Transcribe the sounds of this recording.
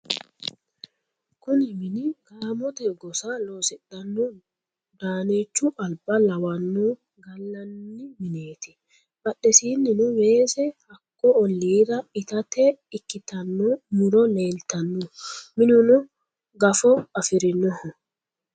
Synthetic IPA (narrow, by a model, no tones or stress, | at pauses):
kʊnɪmɪnɪɡaːmɔt̪ɛɡɔsaloːsɛɗɐnːɔ | d̪aːneːt͡ʃːʊʔɐlbɐlɐwɐnːu | ɡɐlːɐnːɪmɪneːt̪ɪ | bɐɗːɛsiːnːɪnʊwe̞ːsɛhɐkːɔɔlːiːɾɐɪt̪ɐt̪ɛɪkːɪt̪ɐnːɔmʊɾɔle̞ːlt̪ɐnːumɪnʊnʊ | ɡɐfɔɐfɪɾɪnːɔhɔ